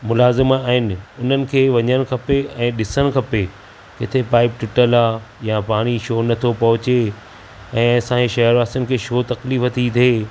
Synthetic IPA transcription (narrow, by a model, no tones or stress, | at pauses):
mʊlaːzɪmaaːɦɪnɪ̆ʊn̤ənɪ̆kʰeːʋɐɲəɽ̃kʰɐpeɛ̃ːɗɪsəɽ̃kʰɐpe | kɪt̪ʰepaːɪp̚ʈɪʈəlaːjapaːɽ̃iʃoːnɐt̪ʰopɐɦʊt͡ɕe | ɛ̃ːsãːeʃɐɦəɾʋaːst̪ənɪ̆kʰeːʃoːt̪ɐkliːfɐt̪ʰit̪ʰeː